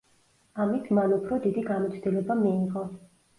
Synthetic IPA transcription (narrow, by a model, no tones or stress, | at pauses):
amit̪ʰmanupʰɾɔd̪id̪iɡamɔt̪sʰd̪ilɛbamiːʁɔ